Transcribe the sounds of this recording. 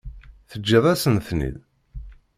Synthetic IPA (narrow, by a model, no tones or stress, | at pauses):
θəd͡ʒːiðˤæsənθnḭð